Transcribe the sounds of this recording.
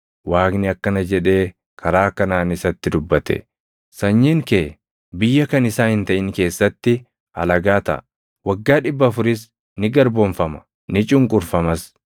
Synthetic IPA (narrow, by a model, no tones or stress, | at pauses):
waːknɪɐkːɐnɐd͡ʒɛᶑe̞ː | kʰɐɾaːkːɐnaːnɪsɐt̪ːɪd̪ʊbːɐt̪ɛ̰ | sɐɲːiŋkeː | bɪjːɐkɐnɪsaːhɪnt̪ɐʔɪnke̞ːsːɐt̪ːɪ | ɐ̰lɐɡaːt̪ɐ̰ʔ | wɐɡːaːᶑɪbːɐːfʊɾɪs | nɪɡɐɾbonfɐmɐ̥ | nɪt͡ʃʼʊŋkʼʊɾfɐmɐs